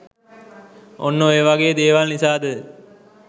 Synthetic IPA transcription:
onːoeːʋaɡeːd̪eːʋalnisaːd̪ə

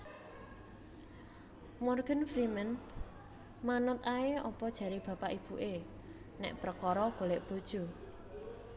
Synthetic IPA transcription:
mɔrɡ̥ə̤nfɾimən | manʊt̪aeɔpɔd̥ʒ̥a̤ɾeb̥ä̤paʔib̥uʔe | nɛ̰ʔpɾəkɔɾɔɡ̥oleʔb̥o̤d̥ʒ̥ṳ

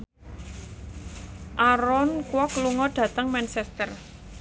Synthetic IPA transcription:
ʔaɾɔnkwɔkluŋɔɖ̥ä̤t̪əŋmɛnsɛst̪ər

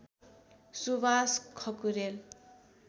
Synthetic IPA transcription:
subaskʰʌkuɾel

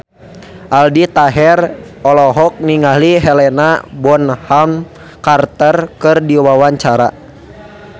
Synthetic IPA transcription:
ʔaldit̪aɦɛrɔlɔɦɔk̚niŋaɦliɦɛlɛnabɔnham | kart̪ərkɨrdiwawaɲt͡ʃaɾa̰

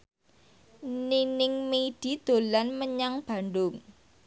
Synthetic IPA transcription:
ninɪŋmeiɖ̥i̤d̪̥o̤lanməɲaŋb̥a̤nɖʊŋ

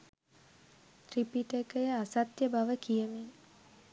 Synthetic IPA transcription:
t̪ripiʈekəjəasat̪jəbaʋəkijəme

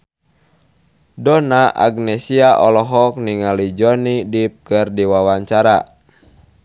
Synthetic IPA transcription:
dɔnaʔa̰ɡnɛsiaʔɔlɔɦɔk̚niŋalid͡ʒɔnidip̚kɨrdiwawaɲt͡ʃaɾa

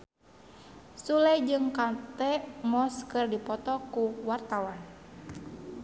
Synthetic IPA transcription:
sulɛd͡ʒɨŋkat̪ɛmɔskɨrdipɔt̪ɔkuwart̪awan

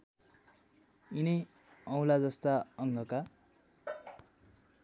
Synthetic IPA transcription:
inʌj | ʌw̃lad͡zʌst̪aʌŋɡʱʌka

